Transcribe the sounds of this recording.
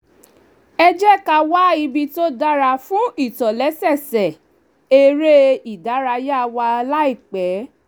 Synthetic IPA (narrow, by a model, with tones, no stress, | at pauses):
ɛ˧d͡ʒɛ˦ka˧wa˦i˧bi˧to˦da˦ɾa˧fũ˦i˦˨tɔ˨lɛ˨˦sɛ˦˨sɛ˨ | e˧ɾe˦i˨da˨˦ɾa˧ja˦˨wa˧la˦i˦˨k͡pɛ˨˦